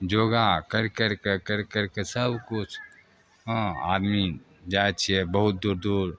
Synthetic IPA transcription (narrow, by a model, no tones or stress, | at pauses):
d͡ʒoɡakəɾkəɾkekəɾkəɾkesəbkut͡ʃʰ | ɦə̃a̰d̪mi | d͡ʒajt̪t͡ʃʰijɛbəɦut̪̚d̪uɾd̪uɾ